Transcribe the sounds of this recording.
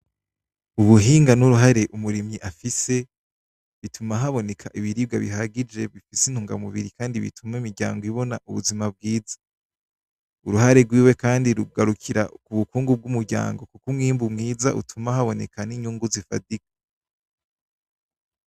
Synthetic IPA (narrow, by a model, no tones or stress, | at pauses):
uβuɦiːŋɡanuɾuɦaɾe̞ʔumuɾimɲiʔafise̞ | βitʰumaɦaβo̞ne̞kʰaʔiβiɾiːb̚ɡaβiɦaɡid͡ʒe̞βifisin̥huːŋɡa̰muβiɾikaːndiβḭtʰumaimiɾɟa̰ːŋɡoiβo̞naʔuβuzimab̚ɡiːzḁ | uɾuhaɾe̞ɡwiːwekaːndiɾuɡaɾukʰiɾa̰kuβukuːŋɡub̚ɡumuɾɟa̰ːŋɡo̞kukumŋiːmbumŋiːza̰ʔṵtʰumahaβo̞ne̞kʰaniɲuːŋɡuzifadikḁ